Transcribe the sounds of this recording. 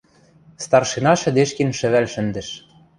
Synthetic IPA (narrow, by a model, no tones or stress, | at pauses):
st̪ɑrʃinɑʃɘ̆d̪eʃkenʃɘ̆βælʃɘ̆nd̪ɘ̆ʃ